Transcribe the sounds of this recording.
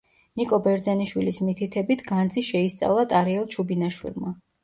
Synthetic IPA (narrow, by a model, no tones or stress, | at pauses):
nikʼɔbɛɾd̪zɛniʃwilismit̪ʰit̪ʰɛbit̪ʰɡand̪ziʃɛist̪sʼa̰vlˠat̪ʼaɾiɛlˠt͡ʃʰubinaʃwḭlˠma